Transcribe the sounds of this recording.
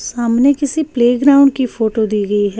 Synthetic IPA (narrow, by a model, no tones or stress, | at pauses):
saːmnekɪsipleːɡɾaːʊ̃ɳɖkiːpʰoːʈoːd̪iːɡəiɦɛː